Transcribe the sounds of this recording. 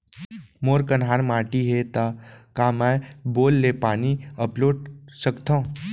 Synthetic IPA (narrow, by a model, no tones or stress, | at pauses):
moːɾkənɦaːɾmaːʈiɦet̪akaːmɛboːlːeːpaːniəploːɖsəkt̪ã